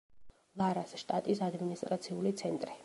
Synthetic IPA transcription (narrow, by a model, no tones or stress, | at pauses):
lˠaɾasʃt̪ʼat̪ʼisad̪minist̪ʼɾat̪sʰiulit̪sʰɛnt̪ʼɾi